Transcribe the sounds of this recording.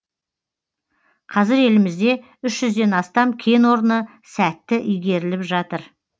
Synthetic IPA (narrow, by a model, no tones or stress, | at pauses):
qʰɑzɪɾe̞lɪmɪzd̪e̞ | ʏʃʒ̥ʏzd̪e̞nɑst̪ɑmkʲʰe̞nwo̞ɾənə | sæt̪ːɪʔʏjɡʲe̞ɾɪlɪpʒɑt̪əɾ